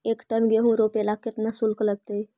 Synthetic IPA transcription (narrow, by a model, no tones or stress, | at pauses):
ekʈənɡeɦũɾopelaket̪nasulkləɡ̚t̪ej